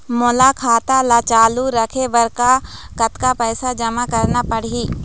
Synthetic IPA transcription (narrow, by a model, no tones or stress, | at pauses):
molakʰaːt̪alat͡ʃaːluɾɐkʰebɐɾkakɐt̪kapəːsad͡ʒɐmakɐɾnapɐɽ̤iː